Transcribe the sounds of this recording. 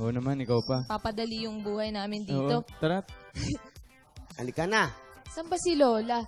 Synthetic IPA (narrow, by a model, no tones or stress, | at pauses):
ʔonɐmanɪkawpɐpapɐd̪ɐlijʊŋbuːhɐjnaːmɪnd̪oːʔ̪o̞t̪ɐɾat̪̚ | ʔɐlɪkɐnasɐmbɐsɪloːlɐ